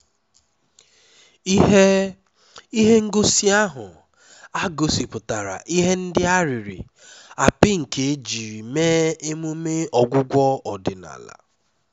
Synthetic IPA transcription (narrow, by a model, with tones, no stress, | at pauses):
i˦ɦe˦ŋ̩˦ɡo˦si˦a˦ɦʊ̰˨ | a˦ɡo˨si˨pʊ˨ta˨ɾa̰˨ʔi˦ɦe˦n̩˦dɪ˦a˦ɾi˨ɾɪ̰˨ | a˨pɪ˦ŋ̩˨ke˨˦d͡ʒi˨ɾi˨meː˦e˦mu˦me˦ɔ˨ɡʷʊ˦ɡʷɔ˦ɔ˨dɪ˨na̰˨la̰˨